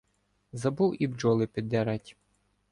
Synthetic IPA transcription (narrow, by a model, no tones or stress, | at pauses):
zɐbuwibd͡ʒɔlˠɪpʲid̪ːɛɾɑtʲ